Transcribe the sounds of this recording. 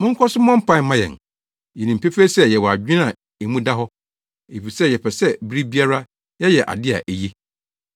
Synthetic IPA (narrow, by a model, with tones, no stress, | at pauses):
mʊ̃˦ŋ̩˦kʰɔ˦sʊ˦mɔ̃˦m̩˦pʰã˦mã˦jɛ̰̃˨n | jɛ˨nĩ˨m̩˨pʰe˦fe˦sɛ˦jɛ˨wɔ˨a˨d͡ʑᶣĩ˦nã˨ | e˨mũ˦da˦ɦɔ˦ | e˨fi˨sɛ˦jɛ˨pʰɛ˨sɛ˦bi˦ɾi˦bi˦a˦ɾa˦ | jɛ˦jɛ˨ʔa̰˨dɪ˦a̰˨ʔe˨ji˦